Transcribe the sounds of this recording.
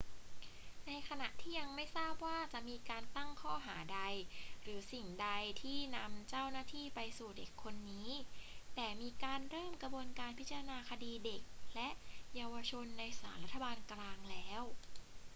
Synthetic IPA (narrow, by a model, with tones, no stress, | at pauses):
na˧jkʰa˧na˨˩ʔt̪ʰiː˥˩ja˧ŋma˥˩jsaː˥˩p̚waː˥˩t͡ɕa˨˩ʔmiː˧kaː˧nt̪a˥˩ŋkʰɔː˥˩ɦaː˩˦da˧jɾɯː˩˦si˨˩ŋda˧jt̪ʰiː˥˩na˧mt͡ɕaː˥˩wnaː˥˩t̪ʰiː˥˩pa˧jsuː˨˩de˨˩kʰːo˧nːiː˦˥t̪ɛː˨˩miː˧kaː˧nɾɤː˥˩mkɾa˧bu˧ənkaː˧npʰi˦˥t̚t͡ɕa˧ɾa˧naː˧kʰa˧diː˧de˨˩k̚lɛ˦˥ʔjaː˧wa˧t͡ɕʰo˧nːa˧jsaː˩˦nla˦˥t̪ʰːa˧baː˧nklaː˧ŋlɛː˦˥w